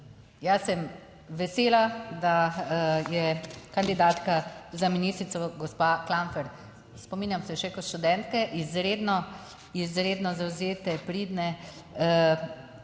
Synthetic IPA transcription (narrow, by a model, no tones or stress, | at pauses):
jasɛm | ʋɛseːlad̪a | jɛkand̪id̪aːt̪kazaminist̪ɾit̪sɔɡɔspaklamfɛɾ | spɔmiːnʲjamsɛʃɛkɔʃt̪ud̪ɛnt̪kɛʔizɾeːd̪nɔ | izɾeːd̪nɔzawzeːt̪ɛpɾiːd̪nɛ